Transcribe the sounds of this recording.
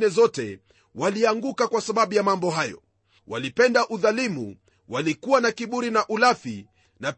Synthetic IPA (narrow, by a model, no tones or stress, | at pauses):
nɛzɔtɛ̰ | waliaŋɡukakwasaɓaɓujamambɔɦajɔ̰ | wa̰lipɛndaʔuðalimṵ | walikuwanakiɓuɾinaʔulafi | na